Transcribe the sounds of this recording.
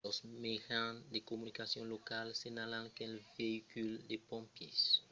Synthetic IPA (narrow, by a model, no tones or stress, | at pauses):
ɔsmeɡãd̪ekomynikasjɔ̃lokalsiɲalãkɛlveikyld̪epɔ̃mpjis